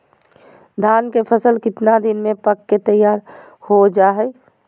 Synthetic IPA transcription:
d̪ʱaːnkepʰəsəlkɪt̪nad̪ɪnmẽpəkːet̪əjːaːɾ | hod͡ʒaːɦɛ

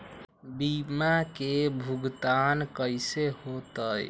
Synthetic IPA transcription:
bimakebʱuɡt̪ankəɪsehot̪əj

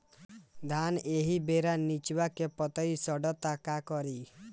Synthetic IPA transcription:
d̪ʱaneɦibeɾanit͡ʃbakepɔt̪ɔjsɔɖɔt̪akakɔɾi

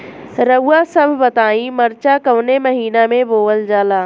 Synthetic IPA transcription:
ɾɐuasɐbʱbɐt̪aːĩmɐɾt͡ʃakɐʋnemɐɦiːnamẽboːəld͡ʒaːlaː

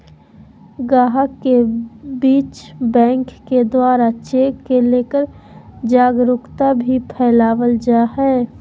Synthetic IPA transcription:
ɡaːɦəkːebiːt͡ʃbɛ̃ːŋkːed̪waːɾat͡ʃekeleːkəɾ | d͡ʒaːɡɾʊkt̪abʱipʰɛːlaːwəld͡ʒaɦɛː

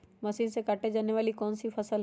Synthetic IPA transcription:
mɐsĩːnsekaːʈed͡ʒaːneʋaːlikɔːnsifʰɐsəl

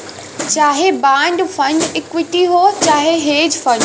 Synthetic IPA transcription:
t͡ɕaːɦebãːɳɖfɐ̃ɳɖɪːkwɪʈiɦoːt͡ɕaːɦeɦeːd͡ʑfɐ̃ɳɖ

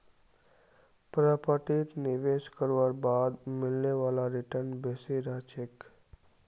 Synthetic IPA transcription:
pɾəpəʈit̪nɪʋeːʃkəɾʋəɾbaːd̪mɪlneʋaːlaɾɪʈəɾnbesiɾat͡ʃek

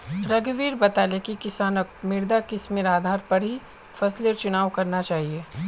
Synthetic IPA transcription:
ɾɐɡʋiːɾbɐt̪aːlekikɪsaːnəkmɪɾd̪akɪsmeɾaːd̪ʱaːɾpɐɾɦi | fɐsliɔɾt͡ʃʊñaːʋkɐɾnat͡ʃaːɦieː

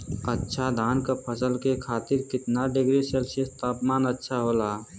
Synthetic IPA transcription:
ətːʃʰad̪ʱaːnkapʰəsəlkekʰaːt̪ɪɾkɪt̪naɖɪɡɾiselsist̪aːpmaːnətːʃʰaɦoːla

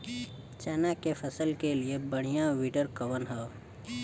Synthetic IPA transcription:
t͡ʃɛːnakepʰəsəlkeliebəɽ̃ijãwiːʈəɾkəʋənɦɛo

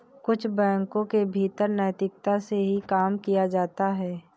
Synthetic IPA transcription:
kʊt͡ʃʰbɛ̃ːŋkõkebʱiːt̪əɾnaːjt̪ɪk̚t̪aseɦikaːmkijad͡ʒaːt̪aɦɛː

